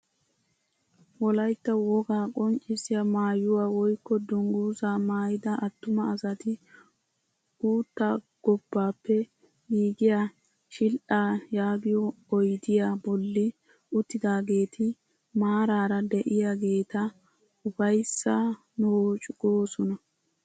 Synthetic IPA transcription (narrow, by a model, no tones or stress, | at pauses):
wɔlɐjt̪ːɐwɔɡaːkʼɔnt͡ʃʼːɪsɪjamaːjʊwaːwɔjkːɔd̪ʊŋɡuːzaːmaːjɪd̪ɐʔɐt̪ːʊmɐːsɐt̪ɪ | ɡ̥uːt̪ːaː | ɡ̥ɔbːaːpːɛ | hiːɡɪja | ʃɪlʔaːjaːɡɪjɔ | ɔjd̪ɪjaːbɔlːɪ | ʔʊt̪ːɪd̪aːɡe̞ːt̪ʰɪ | maːɾaːɾɐd̪ɛʔɪjaːɡe̞ːt̪ɐ | ʊbɐjsːa | nʊt͡ʃʼʊɡoːsɔnɐ